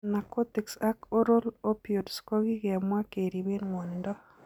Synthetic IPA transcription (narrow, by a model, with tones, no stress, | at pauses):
na˨ko˦t̪i˨ksa˦ko˦ɾo˦lo˦pjo˨dsko˦ɡi˦ɡɛ˨mwa˦ke˨ɾi˨we˦nŋɔ˨ndɔ˦